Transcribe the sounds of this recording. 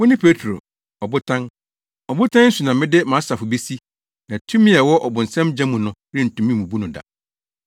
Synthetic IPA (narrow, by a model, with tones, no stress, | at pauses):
wʊ̃˦nɪ̃˦pʰe˦tʰɾo̰˨ | ɔ˨bʊ˦tʰã˦n | ɔ˨bʊ˦tʰã˦nn̩˦su˨nã˨mɪ̃˦dɪ˦mãː˨˦sa˨fʊ˨be˦si˦ | nã˨tʰũ˦mĩ˦a˨wɔ˦ʔɔ˨bʊ̃˨n̩˨sɛ̃˦md͡ʑɛ̃˦mũ˨nʊ̃˨ | ɾɪ̃˦n̩˨tʰũ˨mĩ˦˨mũ˨bu˦nʊ̃˨da̰˨